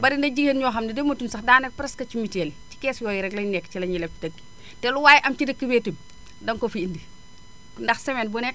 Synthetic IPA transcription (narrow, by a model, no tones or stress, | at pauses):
bɐɾindɐɟihenɲɔːxɐmdidemotumsɐxdaːnɛk̚pɾɛskɐt͡ʃimiteːlici̥kɛːsjɔːjiɾɛɡlɐɲnɛkːcilɐɲilɛp̚idɐɡi̥ | tɛluwaːjiʔɐmt͡ʃidəkːibeːtum | dɐŋkofiindi | ndɐxsɛmɛnbunɛk̚